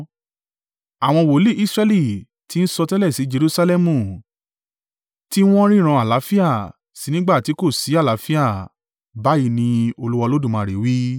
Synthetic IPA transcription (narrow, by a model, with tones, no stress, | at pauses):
a˨w̃ɔ̃˧wo˨˦li˦ʔi˦sɾɛ˧li˦˨ | ti˨˦n̩˦sɔ˧tɛ˦lɛ˦˨si˨˦d͡ʒe˧ɾu˦sa˧lɛ˦mũ˦˨ | ti˦w̃ɔ̃˦ɾ̃ĩ˦ɾ̃ã˧a˨la˨˦fi˦a˦˨ | si˨˦nĩ˦ɡ͡ba˦˨ti˨˦ko˦˨si˨˦a˦˨la˨˦fi˦a˦˨ | ba˨˦ji˧nĩ˧o˧lu˦wɔ˧lo˦dũ˦˨mã˨˧˨ɾe˨˦wi˦